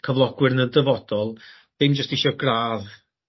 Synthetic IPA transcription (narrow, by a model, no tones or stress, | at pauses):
kʰəvlˠɔɡwɨrnədəvɔd̥ɔlˠ | ð̥ɪnd͡ʒəstɪʃɔɡraːð